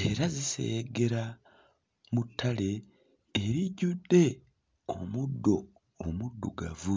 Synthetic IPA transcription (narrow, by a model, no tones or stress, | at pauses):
eɾazisḛɡe̞ɾa | mutʰːale̞ː | ɾiɟude̞ | o̰mudːo̞ː | mudːṵɡavu